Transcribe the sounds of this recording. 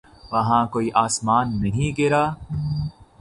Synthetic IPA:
ʋɐɦãːkoːiʔaːsmaːnːɐɦĩɡɪɾaː

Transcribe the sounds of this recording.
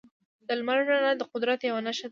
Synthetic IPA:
d̪̥əlmaɾʒanad̪əqʊd̪ɾat̪jawanaʃa

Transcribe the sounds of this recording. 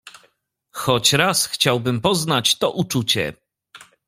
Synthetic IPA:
xɔt͡ɕɾasxt͡ɕawbɘmpɔznat͡ɕt̪ɔʔut͡ʂut͡ɕɛ̰

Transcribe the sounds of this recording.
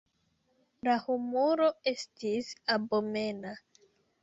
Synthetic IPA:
lahumuɾo̞e̞stisabo̞me̞na

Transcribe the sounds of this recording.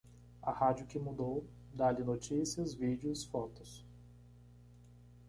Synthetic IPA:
ɐhad͡ʒʊkɪmud̪ow | d̪alɪnot͡ʃisiɐzvid͡ʒɪʊsfɔt̪ʊs

